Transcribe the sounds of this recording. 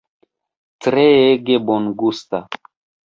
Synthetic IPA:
t͡sɾeeɡebonɡust̪a

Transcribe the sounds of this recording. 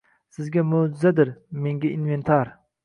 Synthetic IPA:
sɪzɡʲamod͡ʒɪzad̪ɪɾmeŋɡʲainvent̪ʰɑɾ

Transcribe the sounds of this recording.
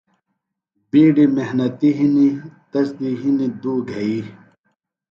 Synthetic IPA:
biːɖimeɦnɐt̪iɦinit̪ɐsd̪iɦinid̪uːɡʱɐi

